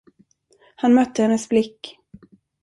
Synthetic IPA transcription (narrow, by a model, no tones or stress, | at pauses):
hanmœt̪ʰːəhɛnːəsblɪkː